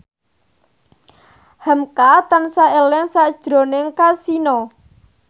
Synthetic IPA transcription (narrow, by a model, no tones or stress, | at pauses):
həmkat̪ansaelɛŋsaʔd̥ʒ̥ɾo̤nɪŋkasinɔ